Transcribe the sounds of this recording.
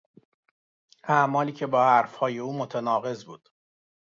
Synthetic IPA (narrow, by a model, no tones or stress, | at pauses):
ʔæmɒːliːcʰe̞bɒːhæɾfhɒːje̞uːmot̪ʰænɒːɣe̞zbuːd̪̥